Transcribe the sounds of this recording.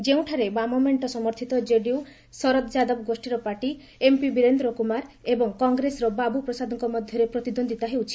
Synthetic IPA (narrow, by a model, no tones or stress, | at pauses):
d͡ʒeũʈʰaɾebamɔmeɳʈɔsɔmɔɾt̪ʰit̪ɔd͡ʒeɖiw | sɔɾɔt̪d͡ʒad̪ɔbɔɡosʈiɾɔpaʈi | empibiɾend̪ɾɔkumaɾebɔŋkɔŋɡɾesɔɾɔbabupɾɔsad̪ʱɔŋkɔmɔd̪ʱjɔɾepɾɔt̪id̪ond̪ʱit̪aɦewt͡ʃʰi̥